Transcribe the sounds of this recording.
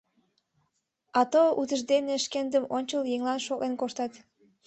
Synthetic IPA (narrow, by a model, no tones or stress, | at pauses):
ɑt̪out̪əʒd̪eneʃkend̪əmonʲt͡ɕəljeŋlɑnʃoɣenkoʃt̪ɑt̪